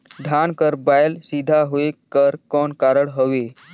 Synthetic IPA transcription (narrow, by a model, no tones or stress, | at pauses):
d̪ʱankəɾbajlsid̪ʱaɦoekəɾkɔɳkaɾəɽɦəʋe